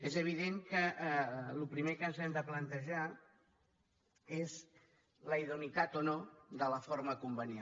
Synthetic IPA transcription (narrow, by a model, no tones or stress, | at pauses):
ezəβ̞iðeŋkə | lupɾimekənzɛmd̪əplənt̪əʒa | ez | ləiðunit̪at̪onod̪ələfoɾməkumbənja